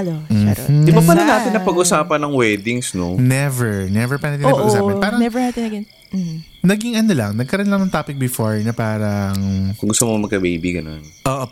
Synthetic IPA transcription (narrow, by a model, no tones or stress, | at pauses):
lom̩̰ːʔɪbapɐnonaːt̪ɪnːɐpɐɡʔʊsaːpɐnːɐŋwɛːd̪ɪŋsnonɛvɛɹnɛvɛɹpaɾnɐt̪ĩnɐpɐɡʔʊsaːpɐnpaːɾɐŋnɛvɛɹhɐɐnɐɡɛn̩ | nɐɡɪŋɐnolɐŋnɐɡ̚kɐɾonlɐŋnɐŋt̪aːpɪk̚bɪfoɹnɐpaːɾɐŋkʊŋɡʊst̪ʊmomɐɡ̚kɐbejbiɡɐno̰nʔoːʔo